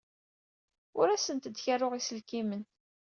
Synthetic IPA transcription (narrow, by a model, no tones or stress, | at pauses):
ʊɾæsənt̪əd̪çarʊʁisəlkimən